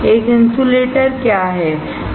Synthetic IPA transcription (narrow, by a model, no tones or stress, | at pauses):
eːkɪnsuleʈəɾkjaɦɛ